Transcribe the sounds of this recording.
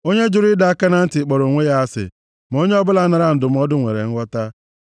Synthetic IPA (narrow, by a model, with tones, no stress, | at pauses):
o˦ɲe˦d͡ʒʊ˨ɾɪ˦da˨a˦ka˦na˨n̩˦tɪ˨k͡pɔ˨ɾo˨ŋʷe˦ja˦a˦sɪ̰˨ | m˨o˦ɲe˦ɔ˦bʊ˦la˦na˨ɾa˦n̩˨dʊ˨m̩˨˦ɔ˦dʊ˦ŋʷḛ˨ɾḛ˨ŋ̩˦wʷɔ˦ta˦